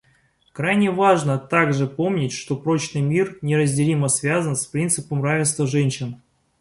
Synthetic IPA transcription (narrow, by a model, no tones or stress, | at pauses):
kɾajnʲɪvaʐnət̪aɡʐɨpo̞mnʲɪtʲʂt̪o̞pɾo̞t͡ɕnɨjmʲirnʲɪɾəzʲdʲɪlʲiməsvʲazənspɾʲint̪sɨpəmravʲɪnst̪vəʐɛnʲɕɪn